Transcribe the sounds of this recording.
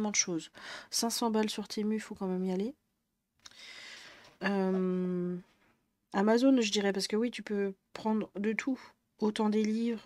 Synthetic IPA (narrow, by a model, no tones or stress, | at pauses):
mɑ̃d̪əʃozsɛ̃sɑ̃balsyʁt̪ʰemyfokɑ̃mɛmiale | øm | amazonʒəd̪iʁɛpaʁsə̥kəwit̪ypøpχɑ̃d̪ʁd̪ət̪ʰu | ot̪ɑ̃d̪elivʁ